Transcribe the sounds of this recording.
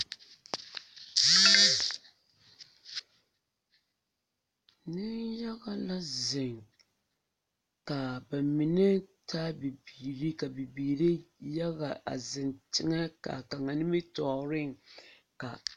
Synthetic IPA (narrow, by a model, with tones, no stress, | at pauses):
nɪ˦nja˦ɣa˦la˦zɪ˨ŋ | ka˨ba˨mi˨nɛ˦tʰa˦bi˨biː˨ɾi˦ka˨bi˨biː˨ɾi˦ja˦ɣa˨ʔa̰˨zɪ˨ntɪ˦ŋɛ˦ka̰˨ka˨ŋa˨nɪ˦mɪ˦tɔ˨ɾɪ˦ŋ˨ | ka̰˨